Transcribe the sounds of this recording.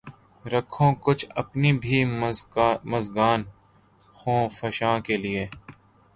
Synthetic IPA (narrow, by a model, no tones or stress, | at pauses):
ɾəkʰːõːkʊt͡ʃʰɐpnibʱi | mɐzɡaːn | xõːfɐʃãːkelɪeː